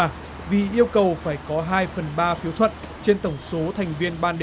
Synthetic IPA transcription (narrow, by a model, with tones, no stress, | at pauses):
vi˨˩ʔi˧əwkə˨˩wfaː˧˩jkɔ˨˦ɦaː˧jfə˨˩nɓaː˧fi˨˦əwt̪ʰwə̰˧˨n | t͡ɕe˧nt̪ə˧˩wŋ͡mso˨˦t̪ʰa˨˩jŋ̟vi˧ənɓaː˧nɗ